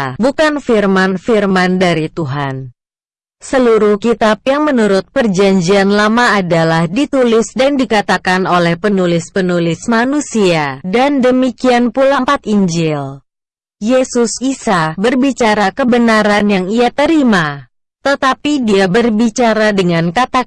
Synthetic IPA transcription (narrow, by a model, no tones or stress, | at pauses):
bukanfirmanfirmandaɾit̪uɦan | səluɾuhkit̪ap̚jaŋmənuɾʊt̪̚pərd͡ʒaɲd͡ʒianlamaːdalahdit̪ulɪsdandikat̪akanolɛhpənulɪspənulɪsmanusiadandəmikianpulampat̪iɲd͡ʒɪl | jesʊsisabərbit͡ʃaɾakəbənaɾanjaŋiat̪əɾima | t̪ət̪apidiabərbit͡ʃaɾadəŋankat̪a